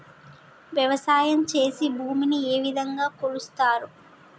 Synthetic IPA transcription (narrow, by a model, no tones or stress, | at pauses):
ʋjɐʋɐsaːjɐmt͡ʃe̞ːsibʱuːminieːʋid̪ʱɐŋɡaːkolust̪aːɾu